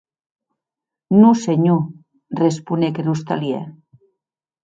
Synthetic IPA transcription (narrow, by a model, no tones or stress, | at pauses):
nuseɲu | respunekeɾust̪a̰ljḛ